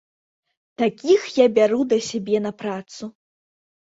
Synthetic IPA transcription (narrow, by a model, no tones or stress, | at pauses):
t̪akʲixjabʲaɾud̪ɐsʲabʲɛnɐpɾat̪su